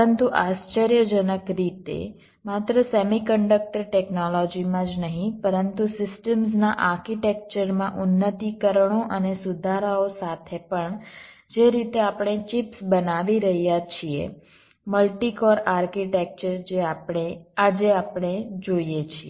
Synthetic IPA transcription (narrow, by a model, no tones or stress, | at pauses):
ənt̪uʔast͡ʃəɾjəd͡ʒənəkɾit̪ḛ | mat̪ɾəsemikəɳɖək̚ʈəɾʈeknɔlɔd͡ʒimãd͡ʒnəɦĩpəɾənt̪usɪsʈəmsnaʔaɾkiʈek̚t͡ʃəɾmãʔunːət̪ikəɾəɳoʔənesud̪ʱaɾaosat̪ʰepəɳd͡ʒeɾit̪eapɳ̃et͡ʃipsbənaʋiɾəɦjat͡ʃʰiḛ | məlʈikɔɾaɾkiʈek̚t͡ʃəɾd͡ʒeapɳ̃ead͡ʒeapɳ̃ed͡ʒoijet͡ʃʰie